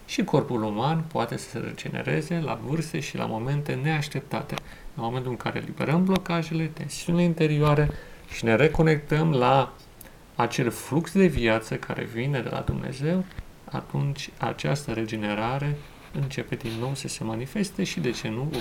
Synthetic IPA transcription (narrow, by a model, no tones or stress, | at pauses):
ʃiko̞rpulumanpoat̪e̞sə̥se̞̰ɾḛd͡ʒe̞̰ne̞̰ɾe̞̰ze̞la̰vɨrseʃila̰mo̞me̞nt̪e̞ne̞aʃt̪e̞p̚t̪a̰t̪e̞̰ | lamo̞me̞nt̪ulɨŋkaɾe̞̰libe̞̰ɾəmblo̞kaʒe̞let̪e̞̰nsiunileint̪e̞ɾioaɾeʃine̞ɾe̞ko̞ne̞k̚t̪əmlaː | t͡ʃe̞lfluksd̪e̞viat̪səkʰaɾe̞̰vine̞d̪e̞la̰d̪umne̞̰ze̞w | a̰t̪unt͡ʃʲa̰t͡ʃast̪əɾe̞d͡ʒe̞ne̞ɾaɾe̞ | ɨnt͡ʃe̞pe̞d̪inːo̞wsəse̞manife̞st̪e̞ʃid̪e̞t͡ʃe̞nu